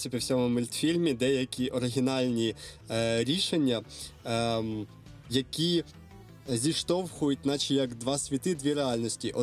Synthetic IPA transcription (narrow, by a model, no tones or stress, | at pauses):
sʲɐpʲiwsʲɔmʊmɪlʲt̪fʲilʲmʲid̪ɛjɐkʲiʔɔɾɪɦʲɪnɑlʲnʲi | ɾʲiʃe̞nʲːɐ | jɐkʲi | zʲiʃt̪ɔwxʊjʊt̚ʲnɑt͡ʃijɐkd̪ʋɑsʲʋʲit̪ɪd̪ʋʲiɾeɑlʲnʲɔsʲtʲiʔɔ